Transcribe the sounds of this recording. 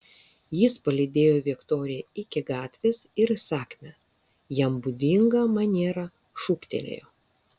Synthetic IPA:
jɪspɐlʲɪd̪ʲeːjoːʋʲɪkt̪oːɾʲɪjɛɪkʲɪɡɑːt̪ʲʋʲeːsɪɾsɑːkʲmʲɛ | jɛmbud̪ʲɪŋɡɐmɐnʲeːɾɐ | ʃuːkt̪ʲḛlʲḛːjoː

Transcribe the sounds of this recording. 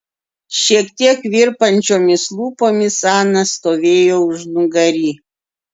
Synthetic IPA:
ʃʲiɛkt̪ʲiɛkʋʲɪɾpɐnʲt͡ʃʲoːmʲɪslˠuːpoːmʲɪsɑːnɐst̪oːʋʲeːjoːʊʒnʊɡɐɾʲiː

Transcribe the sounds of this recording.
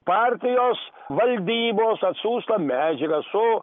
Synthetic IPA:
paːɾʲt̪ʲɪjoːs | ʋɐlʲd̪ʲiːboːsɐt̪suːst̪ɐmʲæːd͡ʒɪkɐsʊ

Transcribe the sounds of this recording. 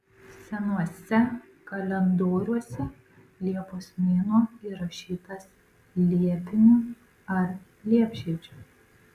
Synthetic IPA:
sʲɛnuɔsʲɛ | kɐlʲɛnd̪oːɾʲuɔsʲɛ | lʲiɛpoːsmʲeːnoːiɾɐʃʲiːt̪ɐs | lʲiɛp̪ʲɪnʲuː | ɐɾ | lʲiɛpʲʃʲiːd͡ʒʲuː

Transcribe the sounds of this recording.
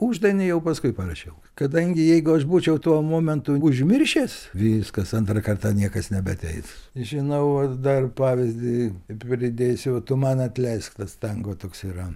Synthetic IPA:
uːʒd̪ɐnʲejɛʊpɐskʊɪpɐrɐʃʲɛʊ | kɐd̪ɐŋʲɡʲɪjɛɪɡʊɐʃbuːt͡ʃʲɛʊt̪uɔmoːmʲɛnt̪ʊʊʒʲmʲɪrʲʃʲeːsʋʲiskɐsɐnt̪rɐkɐrt̪ɑnʲiɛkɐsnʲɛbʲɛɐt̪ʲɛɪsʒʲɪnɐʊʋɐd̪ɐrpɑːʋʲɪzʲd̪ʲɪpʲɾʲɪd̪ʲeːsʲʊɐt̪ʊmɐnɐt̪ʲlʲɛɪskt̪ɐst̪ɐŋɡoːt̪oːksiːɾɐ

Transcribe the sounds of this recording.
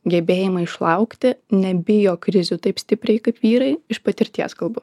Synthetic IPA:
ɡʲɛbʲeːjɪmɐɪʃlˠɐʊkt̪ʲɪnʲɛbʲɪjoːkɾʲɪzʲʊt̪ɐɪpsʲt̪ʲɪpʲɾʲɛɪkɐɪpʋʲiːɾɐɪɪʃpɐt̪ʲɪɾʲt̪ʲiɛskɐlˠbʊ

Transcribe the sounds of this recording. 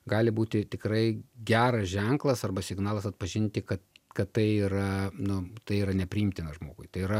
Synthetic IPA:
ɡɑːlʲɪbuːt̪ʲɪt̪ʲɪkɾɐɪɡʲæːɾɐsʒʲɛŋklˠɐsɐrbɐsʲɪɡnɑːlˠɐsɐt̪pɐʒʲɪnʲt̪ʲɪkɐt̪kɐt̪t̪ɐɪiːɾɐnʊt̪ɐɪiːɾɐnʲɛpʲɾʲɪɪmʲt̪ʲɪnɐʒmoːɡʊɪt̪ɐɪiɾɐ

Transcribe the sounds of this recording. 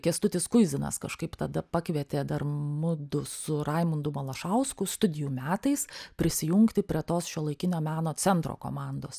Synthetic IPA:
kʲɛst̪ʊt̪ʲɪskʊɪzʲɪnɐ̰skɐʃkɐɪpt̪ɐd̪ɐpɑkʋʲɛt̪ʲeːd̪ɐrmʊd̪ʊsʊɾɐɪmʊnd̪ʊmɐlˠɐʃɐʊskʊst̪ʊd̪ʲɪjuːmʲæːt̪ɐɪspʲɾʲɪsʲɪjʊŋkt̪ʲɪpʲɾʲiɛt̪oːsʃʲuːlˠɐɪkʲɪnʲoːmʲæːnoːt͡s̪ʲɛnt̪ɾo̰ːko̰ːmɑnd̪oːs

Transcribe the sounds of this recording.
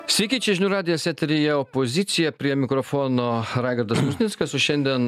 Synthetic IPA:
sʲʋʲɛɪkʲiːt͡ʃʲɛʒʲɪnʲuːɾɑːd̪ʲɪjɛsʲɛt̪ʲɾʲɪjɛopozʲɪt̪sʲɪjɛpʲɾʲiɛmʲɪkɾofoːnoːɾɑːɡʲɐɾd̪ɐsmʊsʲnʲɪskɐsoʃʲɛnʲd̪ʲiɛn

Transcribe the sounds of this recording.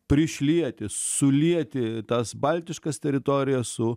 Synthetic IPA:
pʲɾʲɪʃʲlʲiɛt̪ʲɪsʊlʲiɛt̪ʲɪt̪ɐsbɐlʲt̪ʲɪʃkɐst̪ʲɛɾʲɪt̪oːɾʲɪjɛssʊ

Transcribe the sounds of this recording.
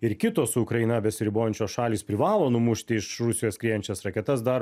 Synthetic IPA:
ɪɾkʲɪt̪oːsʊʊkɾɐɪnɐbʲɛsʲɪɾʲɪboːjɛnʲt͡ʃʲoːsʃɑːlʲiːspʲɾʲɪʋɑːlˠoːnʊmʊʃʲt̪ʲɪɪʃɾʊsʲɪjoːskɾʲiːjɛnʲt͡ʃʲɛsɾɐkʲɛt̪ɐsd̪ɐɾ

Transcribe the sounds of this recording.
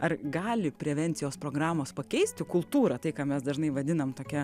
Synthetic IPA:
ɐrɡɑːlʲɪpʲɾʲɛʋʲɛnʲt̪ʲɪjoːspɾoːɡɾɑːmoːspɐkʲɛɪsʲt̪ʲɪkʊlˠt̪uːɾɐt̪ɐɪkɑːmʲɛsd̪ɐʒnɐɪʋɐd̪ʲɪnɐmt̪oːkʲɛ

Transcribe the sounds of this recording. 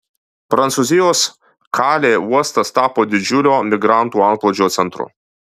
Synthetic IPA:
pɾɐnt̪suːzʲɪjoːs | kʰɑːlʲeːuɔst̪ɐst̪ɑːpoːd̪ʲɪd͡ʒʲʊlʲoːmʲɪɡɾɑˑnˑt̪uːɐŋkplˠoːd͡ʒʲoːt̪sʲɛnt̪ɾʊ̰

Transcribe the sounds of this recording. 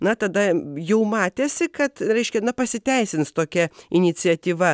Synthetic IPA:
nɐt̪ɐd̪ɐjɛʊmɑːt̪ʲeːsʲɪkɐt̪ɾʲɛɪʃʲkʲɛnɐpɐsʲɪt̪ʲɛɪsʲɪnst̪oːkʲɛɪnʲɪt͡sʲɪɛt̪ʲiːʋɐ

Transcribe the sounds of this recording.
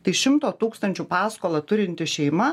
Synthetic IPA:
t̪ɐɪʃʲɪmt̪oːt̪uːkst̪ɐnʲt͡ʃʲupɑːskoːlˠɐt̪ʊɾʲɪnʲt̪ʲɪʃʲɛɪmɐ

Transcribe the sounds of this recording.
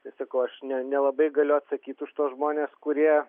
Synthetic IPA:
t̪ɐɪsɐkɐʊɐʃnʲɛnʲɛlˠɐbɐɪɡɐlʲʊɐt̪sɐkʲiːt̪ʊʃt̪oːsʒmoːnʲeːskʊɾʲiɛ

